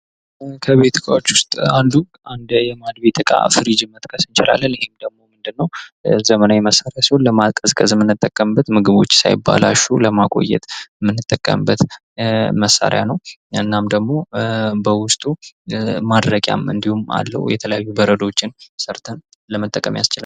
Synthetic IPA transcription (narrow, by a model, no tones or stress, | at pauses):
kʰəβet̪ʰɨkʼawot͡ʃːwʊst̪ʼand̪u | and̪jɛmad̪bet̪ʰɨkʼa̰fɨɾid͡ʒɨmːət̪ʼkʼʰəsɨnt͡ʃɪla̰lːənɪhe̞md̪əɡmo̞mɨnd̪ɨnːəwzəmənajɛməsːaɾejasihonləmakʼəzkʼəzmɨnːɨt̪ʼːəkʼːəmbːət̪mɨɡɨβo̞t͡ʃːsa̰jɪbːa̰la̰ʃːuləmakʼo̞̰jːɛ̰t̪mɨnːɨt̪ʼːəkʼːə̰mbːət̪ | məsːa̰ɾjanəwɨnːamd̪əɡmo̞bəwʊst̪ʼu | mad̪ɾəkʼja̰mɨ̰nd̪ihuma̰lːə̰w̰jɛt̪ʰələjajːubəɾəd̪o̞t͡ʃːɪnsəɾt̪ʰən | ləmət̪ʼːəkʼəmjast͡ʃɪla